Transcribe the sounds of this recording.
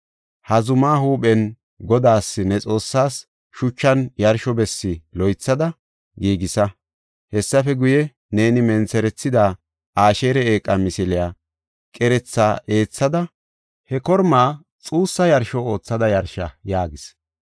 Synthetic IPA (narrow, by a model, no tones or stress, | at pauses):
hɐzʊmaːhuːɓɛn | ɡɔd̪aːsːɪnɛt͡sʼo̞ːsːaːs | ʃʊt͡ʃːɐnjɐɾʃɔbɛsːɪlɔjt͡sːɐd̪ɐ | ɡiːɡɪsɐ | hɛsːɐfɛɡʊjɛ | ne̞ːnɪmɛnt͡sɛɾɛt͡sːɪd̪aː | aːʃe̞ːɾɛeːkʼːɐmɪsɪlɪjaː | kʼɛɾɛt͡sːaːʔe̞ːt͡sːɐd̪ɐ | hɛkɔɾmaː | t͡sʼuːsːɐjɐɾʃɔo̞ːt͡sːɐd̪ɐjɐɾʃɐjaːɡɪs